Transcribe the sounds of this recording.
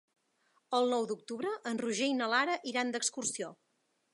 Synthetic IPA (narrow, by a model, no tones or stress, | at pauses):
əlˠnɔwd̪uk̚t̪uβɾəʔənruʒejnəlaɾəʔiɾand̪əkskursio